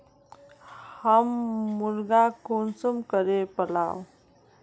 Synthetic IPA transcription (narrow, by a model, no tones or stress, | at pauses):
hamːuɾɡakonsumkəɾepəla̰w